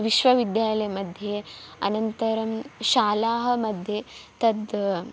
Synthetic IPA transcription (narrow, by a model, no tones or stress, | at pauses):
ʋiʃʋɐʋid̪jaːllɐjɐmɐd̪ʱjeɐ̰nɐnt̪ɐɾɐmʃaːlaːɦɐ̆mɐd̪ʱjet̪ɐd̪